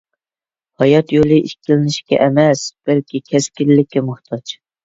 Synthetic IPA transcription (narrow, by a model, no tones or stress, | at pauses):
hɑjɑt̪jolˠɨʔiʃkʲʰilɪnɪʃkʲɛ̰ʔɛmɛsb̥ɛlkʲikʲʰɛskʲilːɪkʲːɛmʊht̪ʰɑt͡ʃ